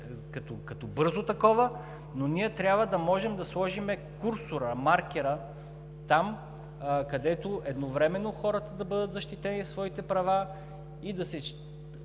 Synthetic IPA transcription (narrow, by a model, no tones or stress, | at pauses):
kɐt̪okɐt̪obɤɾzot̪ɐkɔvə | noniɛt̪ɾʲjabvəd̪ɐmɔʒɛmd̪ɐslˠɔʒimɛkuɾsʊɾəmaɾk̟ɛɾə | t̪am | kɐd̪ɛt̪oʔɛd̪novɾɛmɛnːoxɔɾɐt̪əd̪ɐbɤd̪ət̪zɐʃt̪it̪ɛnisvɔit̪ɛpɾɐva | id̪ɐsɛ